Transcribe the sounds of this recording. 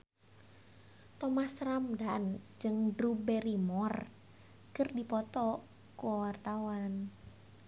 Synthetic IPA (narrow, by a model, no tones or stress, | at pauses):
t̪ɔmasramdand͡ʒɨŋdɾubɛɾimɔr | kɨrdipɔt̪ɔ | kuwart̪awan